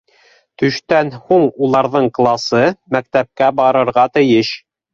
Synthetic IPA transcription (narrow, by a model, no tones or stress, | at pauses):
t̪ɵ̆ʃt̪ænhuɴulˠɑɾðɤɴqlˠɑsɤmæk̚t̪æp̚kæbɑɾɤ̆ɾʁɑt̪ɘ̆jɘʃ